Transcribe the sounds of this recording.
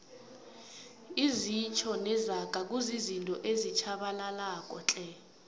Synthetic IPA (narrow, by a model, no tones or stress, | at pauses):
izit͡ʃʰɔnɛzakʼak̬ʼuzizintʼɔʔezit͡ʃʰaɓalalakʼɔt͡ɬʼɛ